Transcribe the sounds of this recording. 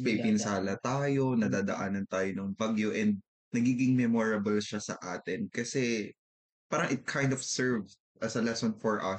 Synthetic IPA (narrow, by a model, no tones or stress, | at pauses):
pejpɪnsaːlɐt̪aːjo̞nɐd̪aːd̪ɐʔaːnɐnt̪aːjonɐŋbaɡjoʔɛnd̪̚ | nɐɡiːɡɪŋmɛmoɹɐbɐlʃɐsɐ̰ʔaːt̪ɪnkɐsɛ | paːɾɐŋɪt̪̚kʰajnd̪ɔv̥sɛɹv | ʔɐsɐlɛsɔnfɔɹʔɐ̰